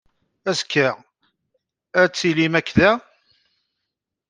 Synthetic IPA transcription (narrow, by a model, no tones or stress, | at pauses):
æskːæ | æt͡sːilimækːðæ